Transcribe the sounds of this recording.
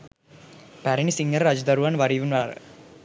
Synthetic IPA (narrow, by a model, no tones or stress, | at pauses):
pæɾinisiŋɡɐɾɾɐd͡ʒd̪ɐɾuʋaːnʋɐɾiʋunʋaɾə̰